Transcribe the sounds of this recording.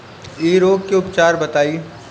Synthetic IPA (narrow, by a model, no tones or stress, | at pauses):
iːɾoːkkiʊpt͡ʃaːɾbɐt̪aːi